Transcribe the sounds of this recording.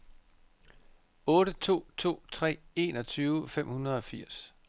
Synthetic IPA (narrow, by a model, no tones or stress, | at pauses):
ɔ̽ːɾət͡sʰo̝̰ːt͡sʰo̝̰ːt͡sʰʁɛ̰ːe̝ːnɒ̽t͡sʰyːʊfem̰hunɐð̩ˠɒ̽fiɐ̰s